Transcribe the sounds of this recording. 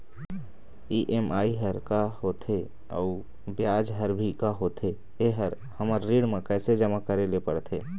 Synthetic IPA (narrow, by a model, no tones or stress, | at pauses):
iʔemaːiɦəɾkaɦoːt̪ʰe | ɔ̰ːʊ | bjaːd͡ʒɦəɾbʱikaɦoːt̪ʰe | eɦəɾ | həməɾːiːɽmẽkɛːsed͡ʒəmakəɾelepəɽt̪ʰḛː